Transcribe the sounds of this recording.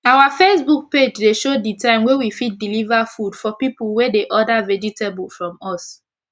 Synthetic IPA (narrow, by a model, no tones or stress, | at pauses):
awafesbuk̚ped͡ʒdeʃoditãɪ̃mwewifit̚dilivafudfɔpipul̩ˠwedeʔɔdavɛd͡ʒiteblfɹɔ̃mɔs